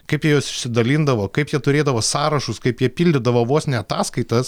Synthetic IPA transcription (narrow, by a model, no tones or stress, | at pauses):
kɐɪpjiɛjoːsɪʃʲsʲɪd̪ɐlʲind̪ɐʋoːkɐɪpjiɛt̪ʊɾʲeːd̪ɐʋoːsɑːɾɐʃʊskɐɪpjiɛpʲiːlʲd̪ʲɪd̪ɐʋoːʋoːsnʲɛɐt̪ɑːskɐɪt̪ɐs